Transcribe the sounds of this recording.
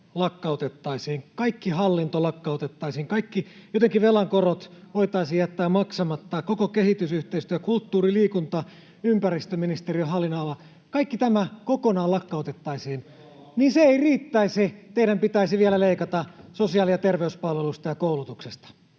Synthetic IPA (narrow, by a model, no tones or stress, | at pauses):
lɑkːɑot̪et̪ːɑisiːŋkɑikːiɦɑlːint̪olɑkːɑot̪et̪ːɑisiːŋkɑikːijot̪eŋkiʋelɑŋkorot̪ʋoit̪ɑisijjæt̪ːæːmmɑksɑmɑt̪ːɑkokokehit̪ysyht̪eist̪yøækult̪ːuːriliːkunt̪ɑ | ympærist̪øminist̪eriøɦɑlːinɑːlɑ | kɑikːit̪æmækokonɑːlɑkːɑot̪et̪ːɑisiːn | niːnseeiriːt̪ːæiset̪eiɾæmpit̪æisiʋielæleikɑt̪ɑsosiɑːlijɑt̪erʋeyspɑlʋelust̪ɑjɑkoulut̪uksest̪ɑ̥